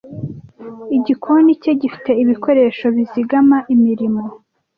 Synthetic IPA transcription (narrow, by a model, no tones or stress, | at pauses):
iɟikʰonice̞ɟifi̥te̞iβiko̞ɾe̞ːʃo̞βiziɡamaʔimiɾimo̞